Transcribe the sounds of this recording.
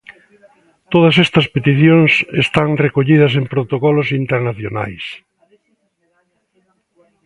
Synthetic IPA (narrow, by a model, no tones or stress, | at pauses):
t̪oðɐsɛst̪ɐspet̪iθjoŋsest̪aŋrekoʎiðɐsempɾot̪okɔlosint̪eɾnaθjona̰js